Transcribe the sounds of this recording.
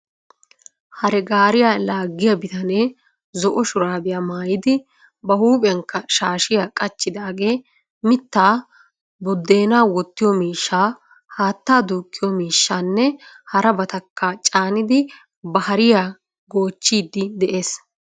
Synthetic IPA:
hɐɾɛɡaːɾɪjaːlaːɡːɪjɐbɪt̪ɐneː | zɔʔɔʃʊɾaːb̪ɪjaːmaːjɪd̪ɪ | bɐhuːpʼɛɐŋkːɐʃaːʃɪjaːkʼɐt͡ʃːɪd̪aːɡe̞ː | mɪt̪ːaː | bɔd̪ːe̞ːnaːwɔt̪ːɪjɔmiːʃːaː | haːt̪ːaːd̪uːkʼːɪjɔmiːʃːaːnːɛ | hɐɾɐbɐt̪ɐkʰːɐt͡ʃʼaːnɪd̪ɪ | bɐhɐɾɪjaː | ɡo̞ːt͡ʃːiːd̪ːɪd̪ɛʔe̞ːs

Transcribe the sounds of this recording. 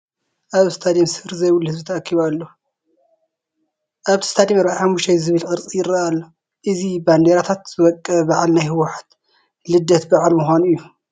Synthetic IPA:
ʔaβɨst̪ʰad̪iimsɨfɨɾzɐjwulhɨzbit̪ʰɐːkʰːiβalːo | ʔaβt̪ʰi̥st̪ʰad̪imɐɾaʔaħamːuʃt̪ʰajzɨβɨlkʼɨɾt͡sʼijɪɾaʔalːo | ʔɨziband̪eɾat̪ʰat̪z̥ɨwɔkʼːɐbaʕalnajhɨwʊħḁt̪ | lɨd̪ːɐt̪baʕalmuxʷanuɨjːu

